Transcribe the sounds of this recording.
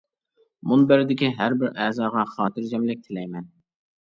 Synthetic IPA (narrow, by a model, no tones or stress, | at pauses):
munbæɾɪd̪ɪkʲiɦæɾbɪɾɛːzɑːʁɑχɑːt̪ʰɨɾd͡ʒɛmlɪk̚ʲt̪ʰɪlɛjmɛn